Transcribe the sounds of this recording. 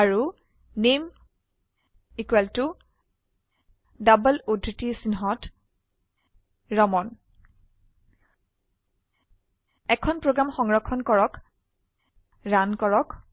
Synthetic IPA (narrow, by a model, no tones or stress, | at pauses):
aɹu | nem | ikwɛltu | dabəlodʱɹitisinɦɔt | ɹɔmɔn | ɛkʰɔnpɹoɡɹamxɔŋɹɔkʰːɔnkɔɹɔk | ɹankɔɹɔk